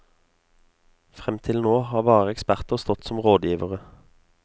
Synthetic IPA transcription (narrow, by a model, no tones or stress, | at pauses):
fʁɛmt̪ʰɪlnoːhɑːʁbɑːʁəɛkspæʁt̪əʁst̪ɔt̪sɔmʁoːd̪jiːʋəʁə